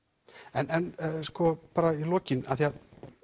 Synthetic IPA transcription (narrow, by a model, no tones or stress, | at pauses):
ɛnɛnskɔpaːɾailɔːcɪnaðθia